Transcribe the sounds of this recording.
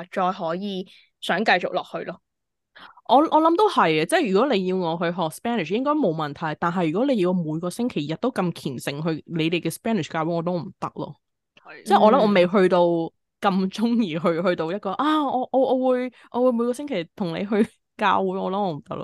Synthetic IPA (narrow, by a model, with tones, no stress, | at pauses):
t͡ʃɔː˧jɦɔː˨˥jiː˨˧ | sœː˨˥ŋkɐ˧jt͡ʃʊ˨k̚lɔː˨k̚hɵ˧ɥlɔː˥ | ʔɔː˨˧ʔɔː˨˧lɐ˨˥mt̪o˥whɐ˨˩jɛ˧t͡sɛː˥˩jyː˨˩kɔ˨˥le˨˧jjiː˧wŋɔː˨˧ɦɵ˧ɥɦɔː˨k̚spɛː˥nɪ˨˩ʃjɪ˥ŋkɔː˥jmo˨˧wmɐ˨nt̪ʰɐ˨˩jt̪aː˨˩nɦɐ˨jːy˨˩kɔː˨˥le˨˧ji˧muː˨˧jkɔː˧sɪ˥ŋkʰe˨˩jɐ˨t̚t̪o˥wkɐ˧mkʰiː˨˩nsɪ˨ŋɦɵ˧ɥle˨˧jt̪e˨jkɛː˧spɛː˥nɪ˨˩kaː˧wu˨˥ŋɔː˨˧t̪o˥wm̩˨˩t̪ɐ˥k̚lɔ̰ː˧ | t͡sɛː˥˩ʔɔː˨˧lmʔɔː˨˧me˨jɦɵ˧ɥt̪o˧w | kɐ˧mt͡ʃʊ˥ŋjiː˨˩ɦɵ˧ɥɦɵ˧ɥt̪o˧wjɐ˥t̚kɔː˧ʔaː˥ɔː˨˧ʔɔː˨˧ʔɔː˨˧wuː˨˧j | ʔɔː˧wuː˨˧jmuː˨˧kɔː˧sɪ˥ŋkʰe˨˩jt̪ʰʊ˨˩ŋnḛ˨˧jɦɵ˧ɥ | ka̰ː˧wuː˨˥jɔː˨˧lɐ˨˥mɔː˨˧m̩˨˩t̪ɐ̰˥k̚lɔ̰˧